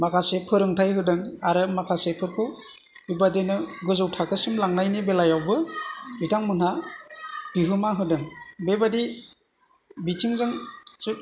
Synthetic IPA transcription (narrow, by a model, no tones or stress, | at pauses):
makʰasepʰɯɾɯŋtʰajɦɯdɯŋaɾɯmakʰasepʰɯɾkʰɯw | ibadenɯɡɯzɯwtʰakʰɯsɯmlaŋnajnibelajawbɯbitʰaŋmɯnha | biɦɯmaɦɯdɯŋbebadi | bitʰiŋzaŋsut̚